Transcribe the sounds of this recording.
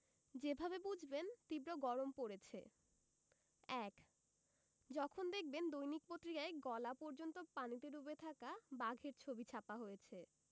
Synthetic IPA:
d͡ʑebʱabebud͡ʑʱbent̪ibɾoɡɔɾompoɾet͡ɕʰe | ɛk | d͡ʑɔkʰond̪ek̚ʰbend̪ojnik̚pot̪ːɾikaeɡɔlapɔɾd͡ʑont̪opanit̪eɾubet̪ʰakabaɡʱeɾt͡ɕʰobit͡ɕʰapaɦojet͡ɕʰe

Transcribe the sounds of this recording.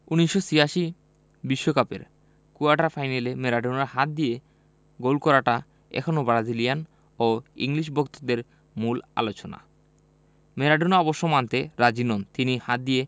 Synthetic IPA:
uniʃːosiaʃi | biʃːokapḛɾ | kuaɖaɾfʰajnelemeɾaɖunaɦat̪̚d̪ije | ɡolkɔɾaʈa | ɛ̰kʰonobɾad͡ʑilijan | oḭŋliʃ̬bokt̪od̪eɾ | mula̰lot͡ɕona̰ | meɾaɖunɔboʃːomant̪eɾad͡ʑinont̪inihat̪̚d̪ije

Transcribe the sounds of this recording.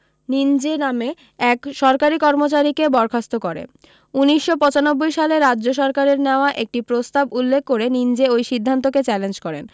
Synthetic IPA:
nind͡ʑename | ɛkʃɔɾkaɾikɔɾmot͡ɕaɾikebɔɾkʰast̪okɔɾḛ | uniʃːopɔ̃t͡ɕanobːojʃaleɾadːʑoʃɔɾkaɾeɾneoaʔek̚ʈipɾost̪abulːekʰːoɾenind͡ʑeojʃid̪ʱːant̪̬oket͡ɕɛlend͡ʑkɔɾḛn

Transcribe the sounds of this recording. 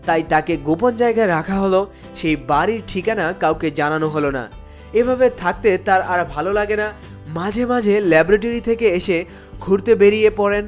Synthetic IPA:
t̪ajt̪akeɡopond͡ʑaeɡaeɾakʰaɦolo | ʃejbaɾiɾʈʰikanakawked͡ʑananoɦolona̰ | ebʱabet̪ʰak̚t̪et̪aɾaɾbʱalolaɡena | mãd͡ʑʱemãd͡ʑʱelɛbɾaʈ̬oɾit̪ʰekeeʃe | ɡʱuɾt̪ebeɾijepɔɾen

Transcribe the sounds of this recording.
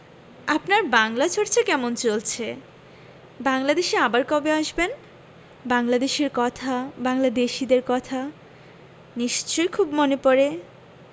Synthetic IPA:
apnaɾbaŋlat͡ɕʰoɾt͡ɕʰekɛmont͡ɕolt͡ɕʰe | baŋlad̪eʃeabaɾkɔbeaʃben | baŋlad̪eʃeɾkɔt̪ʰabaŋlad̪eʃid̪eɾkɔt̪ʰa | niʃt͡ɕojkʰubmonepɔɾe

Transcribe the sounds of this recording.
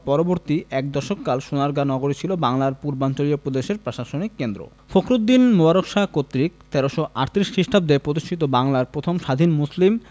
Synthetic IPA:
pɔɾoboɾt̪iʔɛk̚d̪ɔʃokːalʃonaɾɡanɔɡoɾit͡ɕʰilobaŋlaɾpuɾbant͡ɕoliopɾod̪eʃeɾpɾoʃaʃonikːend̪ɾo̰ | fokɾud̪ːinmobaɾokʃakot̪ːɾikt̪ɛɾoʃoʔaʈt̪ɾiʃkɾiʃʈʰab̚d̪epɾod̪iʃʈʰit̪̬obaŋlaɾpɾot̪ʰomʃad̪ʱinmuslim

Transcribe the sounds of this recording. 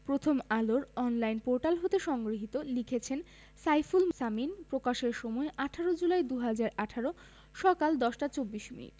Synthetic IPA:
pɾot̪ʰomaloɾɔnlajnpoɾʈalɦot̪eʃɔŋɡɾoɦit̪olikʰet͡ɕʰen | sajfulsaminpɾokaʃeɾʃɔmɔeʔaʈʰaɾod͡ʑulaed̪uɦad͡ʑaɾaʈʰaɾo | ʃɔkald̪ɔʃʈat͡ɕobːiʃmḭnḭʈ

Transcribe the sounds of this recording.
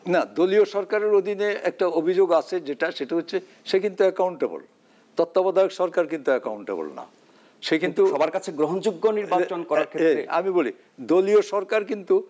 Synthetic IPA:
nad̪olioʃɔɾkaɾeɾod̪ʱineɛk̚ʈaobʱid͡ʑoɡat͡ɕʰed͡ʑeʈaʃeʈaɦotːɕʰe | ʃekint̪uɛkawɳʈebo̰l | t̪ɔt̪ːabɔd̪ʱajokʃɔɾkaɾkint̪uɛkauɳʈḛbo̰lna̰ | ʃekinnt̪uʃɔbaɾkat͡ɕʰeɡɾoɦond͡ʑuɡːoniɾbat͡ɕonkɔɾaɾkʰeeɾea̰miboli | d̪olioʃɔɾkaɾkint̪u

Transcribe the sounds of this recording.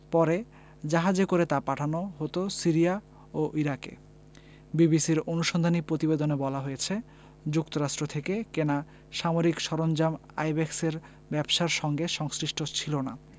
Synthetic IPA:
pɔɾe | d͡ʑaɦad͡ʑekoɾet̪apaʈʰanoɦot̪osiɾia | oʔiɾakḛ | bibisiɾonuʃond̪ʱanipɾot̪ibed̪onebɔlaɦojet͡ɕʰe | d͡ʑukt̪oɾaʃʈɾot̪ʰekekena | ʃamoɾikʃɔɾond͡ʑama̰jbɛkseɾ | bɛbʃaɾʃɔŋɡeʃɔŋsɾiʃʈot͡ɕʰilona̰

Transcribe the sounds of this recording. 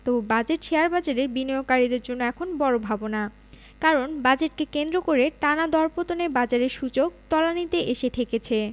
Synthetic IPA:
t̪obad͡ʑeʈʃeaɾbad͡ʑaɾeɾbinijokaɾid̪eɾd͡ʑonːoɛkʰonbɔɾobʱabona | kaɾonbad͡ʑeʈ̚kekend̪ɾokoɾeʈanad̪ɔɾpot̪onebad͡ʑaɾeɾʃud͡ʑok̚t̪ɔlanit̪eʔeʃet̪ʰeket͡ɕʰe

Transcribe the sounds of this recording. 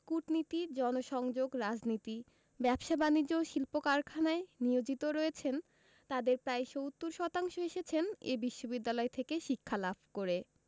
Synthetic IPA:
kuʈnit̪id͡ʑɔnoʃɔŋd͡ʑoɡɾad͡ʑnit̪i | bɛbʃabanid͡ʑoʃilpokaɾkʰanaeniod͡ʑit̪oɾɔet͡ɕʰen | t̪ad̪eɾpɾaeʃowt̪ːuɾʃɔt̪aŋʃoeʃet͡ɕʰenebiʃːobid̪ːalɔet̪ʰekeʃikʰːalabʱkoɾe

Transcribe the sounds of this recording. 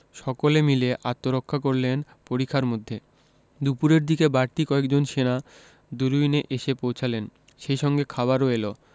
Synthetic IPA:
ʃɔkolemileʔat̪ːoɾokʰːakoɾlen | poɾikʰːaɾmod̪ʱːe | d̪upuɾeɾd̪ikebaɾt̪ikɔekd͡ʑonʃena | d̪uɾujneʔeʃepowt͡ɕʰalen | ʃejʃɔŋɡekʰaβaɾoelo

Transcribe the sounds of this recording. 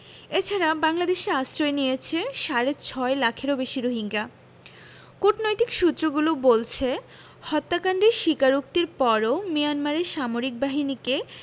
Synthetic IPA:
et͡ɕʰaɾabaŋlad̪eʃeasɾoenijet͡ɕʰeʃaɾet͡ɕʰɔelakʰeɾobeʃiɾoɦiŋɡa | koʈnojt̪ikʃut̪ːɾoɡulobolt͡ɕʰe | hɔt̪ːakaɳɖeɾʃikaɾuk̚t̪iɾpɔɾomijanmaɾeʃamoɾik̚baɦinike

